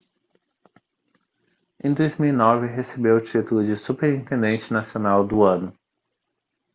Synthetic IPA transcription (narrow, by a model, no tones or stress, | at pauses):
ẽj̃d̪ojzmiwinɔvɪɦesebewt͡ʃit̪ʊlʊd͡ʒɪsupeɾĩnt̪ẽnd̪ẽnt͡ʃɪnasionawd̪ʊɐ̃nʊ